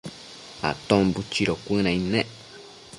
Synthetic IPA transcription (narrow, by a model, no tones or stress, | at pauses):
a̰t̪õbut͡ʃiɾokʷɨ̃nãĩnẽʔ